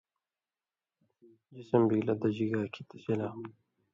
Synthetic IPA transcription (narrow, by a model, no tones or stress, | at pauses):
d͡ʑisəmbiːlɐd̪ɐd͡ʑiɡaːkʰit̪ʰɐsilaː